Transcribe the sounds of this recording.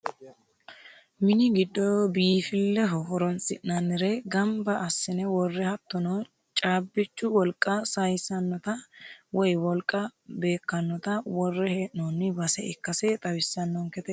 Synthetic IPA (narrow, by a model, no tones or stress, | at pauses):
mɪnɪɡɪd̪ːɔbiːfɪlːɛɦɔɦɔɾɔnsʼɪ̰nnɐnːɪɾɛɡɐmbɐʔɐsːɪnɛwɔrːɛhɐt̪ːɔnɔ | t͡ʃʼaːbːɪt͡ʃːʊwɔlkʼːɐsɐjsɐnːɔt̪ɐwɔjwɔlkʼɐbe̞ːkːɐnːɔt̪ɐwɔrːɛhɛʔnonːɪbɐsɛɪkːɐsɛt̪ʼɐwɪsːɐnːɔŋkɛt̪ɛ